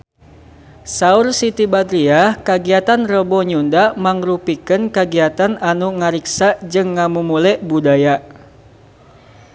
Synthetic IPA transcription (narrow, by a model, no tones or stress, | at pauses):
saursit̪ibad̪ɾiakaɡiat̪anrəbɔɲundaʔmaŋɾupikənkaɡiat̪ananuŋaɾiksad͡ʒɨŋːamumulɛʔbudaja